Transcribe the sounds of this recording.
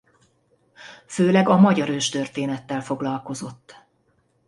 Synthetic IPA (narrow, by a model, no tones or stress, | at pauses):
føːlɛɡɒmɒɟɒɾøːʃt̪ørt̪eːnɛt̪ːɛlfo̞ɡlɒlko̞zo̞t̪ː